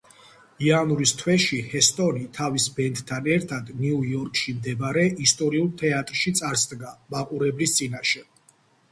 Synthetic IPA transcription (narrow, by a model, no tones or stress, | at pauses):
ianuɾist̪ʰwɛʃihɛst̪ʼɔnit̪ʰavisbɛnt̪ʰʼt̪ʰːanɛɾt̪ʰad̪niuɔɾkʼʃimd̪ɛbaɾɛʔist̪ʼɔɾiulˠt̪ʰɛat̪ʼɾʃit̪sʼaɾsd̪ɡamaqʼuɾɛblist̪sʼinaʃɛ